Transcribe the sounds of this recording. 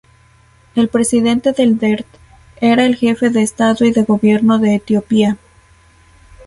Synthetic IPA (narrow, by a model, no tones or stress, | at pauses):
e̞lpɾe̞siðe̞nt̪e̞ðe̞ld̪e̞ɾt̪ | e̞ɾae̞lxe̞fe̞ðe̞ːst̪aðo̞iðe̞ɣo̞βje̞ɾno̞ðe̞ːt̪jo̞pia